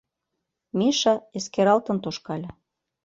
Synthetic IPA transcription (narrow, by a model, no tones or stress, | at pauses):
miʃɑeskeɾɑlt̪ɤ̆nt̪oʃkɑlʲe